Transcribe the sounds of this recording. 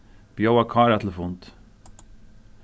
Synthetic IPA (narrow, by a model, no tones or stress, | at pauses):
b̥jowakʰɑːɾat̪ʰləfunt̪